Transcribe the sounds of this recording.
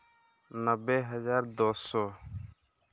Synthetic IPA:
nəbːeːɦəzaːɾd̪oːsɔː

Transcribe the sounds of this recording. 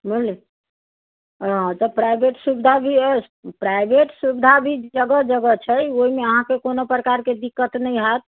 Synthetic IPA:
mulli | ɦãt̪əpɾajbeʈsubid̪ʱabʱi | pɾajbʱeʈsubid̪ʱabʱid͡ʒəɡəd͡ʒəɡət͡ʃʰɛoɦimeəɦãkekonopɾəkaɾked̪ikːət̪nəjɦat̪̚

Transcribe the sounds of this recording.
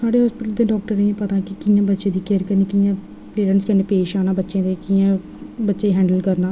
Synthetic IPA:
saːɽeːɦɔːspɪʈəld̪eːɖɔːk̚ʈəɾnə̃ːpət̪aːkɪkɪjãːbətːʃẽːd̪iːkeːɾkəɾniːkɪjãː | peːɾəɳʈskəneːpeːʃaːnaːbətːʃẽːd̪eːkɪjãː | bətːʃeːɦɛ̃ːɳɖəlkəɾnaː

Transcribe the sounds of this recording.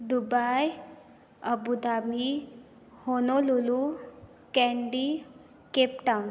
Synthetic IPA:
d̪ubaj | əbud̪ami | honolulu | kɛɳɖi | kep̚ʈawn

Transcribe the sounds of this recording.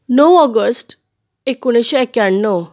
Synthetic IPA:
nəwɔɡəsʈ | ekuɽ̃eɕeekjaɳːəw

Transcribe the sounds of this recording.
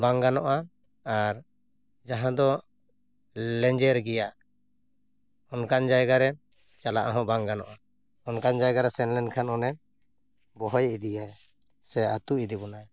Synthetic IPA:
baŋɡanɔʔa | aɾ | d͡ʒaɦãd̪ɔ | lɛɲd͡ʒɛɾɡɛja | ɔnkand͡ʒajɡaɾɛ | t͡ʃalaʔaɦɔ̃baŋɡanɔ̰ʔa | ɔnkand͡ʒajɡaɾɛsɛnlɛnkʰanɔnɛ | bɔɦɔjid̪ijaj | sɛat̪uʔid̪ibɔnaj

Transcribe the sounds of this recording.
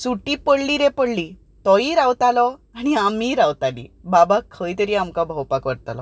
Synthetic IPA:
suʈipəɽliɾɛ̃pəɽli | t̪ɔiɾawt̪alɔaɽ̃iamiɾawt̪alḭbabakʰəjt̪əɾiamkabʱəwpakʋəɾt̪alɔ

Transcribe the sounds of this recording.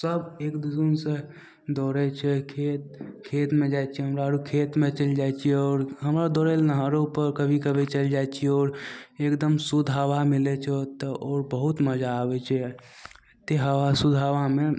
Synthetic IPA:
səbekd̪ud͡ʒunsẽ | d̪ɔɾɛt͡ʃʰɛkʰet̪̚kʰet̪med͡ʒajt͡ʃʰɛɦəmɾaɾukʰet̪met͡ʃəld͡ʒajt͡ʃʰiɛɔːɾɦəmɾad̪ɔɾɛlnəɦaɾeupəɾkəbʱikəbʱɛt͡ʃəld͡ʒajt͡ʃʰiɛɔːɾekd̪əmsud̪ʱaʋamilɛt͡ʃʰɛt̪əʔɔːɾbəɦut̪məd͡ʒaːbɛt͡ʃʰɛ | t̪eɦəʋasud̪ʱaʋame

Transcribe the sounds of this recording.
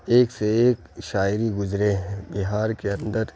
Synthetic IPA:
eːkseeːkʃaːɪɾiɡʊzɾebɪɦaːɾkeɐ̃nd̪əɾ

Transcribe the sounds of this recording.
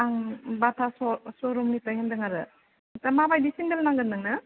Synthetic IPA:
aŋbatʰasɔsɔɾɔmnitajɦendɯŋaɾɯ | tamabajdisindelnaŋɡɯnːɯŋnɐ

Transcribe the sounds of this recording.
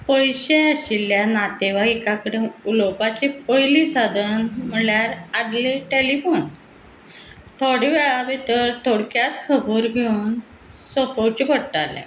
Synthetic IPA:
pəjɕeəɕilːjanat̪eʋaikakəɽeulopat͡ɕepəjlisad̪ʱənm̤əɭjaɾad̪leʈelifon | t̪ʰoɽeʋɛɭaʋet̪əɾt̪ʰoɽkjat̪kʰəboɾɡʱeun | səfot͡ɕebəɽʈalḛ̃

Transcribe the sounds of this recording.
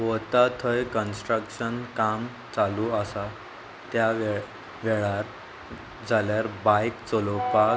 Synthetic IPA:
ʋɔt̪at̪ʰəjkənsʈɾəkɕənkam | t͡saluasa | t̪jaʋe | ʋɛɭaɾ | d͡zʱaljaɾbajkt͡sɔlopa

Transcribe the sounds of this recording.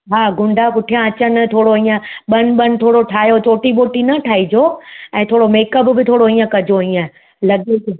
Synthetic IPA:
ɦaːɡʊ̃ɳɖʱakʊʈʰijãɐt͡ɕənɪ̆t̪ʰoːɽoiːə̃ɓɐnɪ̆ɓɐnɪ̆t̪ʰoːɽoʈʰaːjot͡ɕoːʈiɓoːʈinɐʈʰaːid͡ʑoːɛ̃ːt̪ʰoːɽomeːkəpbɪt̪ʰoːɽoĩːə̃kɐd͡ʑʱoiːə̃ | lɐɡe

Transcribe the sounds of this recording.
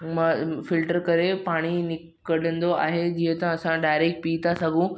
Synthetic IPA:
mfɪlʈəɾkəɾepaːɽ̃inɪ | kəɽə̃nd̪oa̰ːɦed͡ʑiːɦə̃t̪ãɐsãɖaːjɾek̚ʈ̚piːt̪asəɡũ

